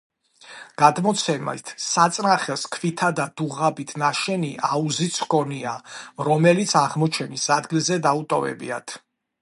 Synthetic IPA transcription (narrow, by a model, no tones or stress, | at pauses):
ɡ̥ad̪mɔt̪sʰɛmɛ̰t̪ʰsat̪sʼnaχɛlˠskʰvit̪ʰad̪ad̪̥uʁabit̪ʰnaʃɛniʔauzit̪sʰkɔniaɾɔmɛlit̪sʰaʁmɔt͡ʃʰɛnisad̪ɡilˠzɛd̪aut̪ʼɔvɛ̰bḭa̰t̪ʰ